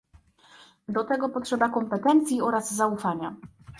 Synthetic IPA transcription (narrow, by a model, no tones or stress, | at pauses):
d̪ɔt̪ɛɡɔpɔtʂɛbakɔmpɛt̪ɛnt̪sʲjiɔɾazːaufaɲa